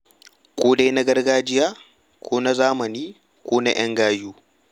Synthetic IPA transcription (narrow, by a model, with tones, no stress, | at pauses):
kʷoː˦da˦jna˦ɡɐ˦rɡaː˦d͡ʒɪ˦jaː˦ | kʷoː˦na˦zaː˦mɐ˨niː˦ | kʷoː˦na̰˦j̰ɐ˦ŋɡaː˦juː˦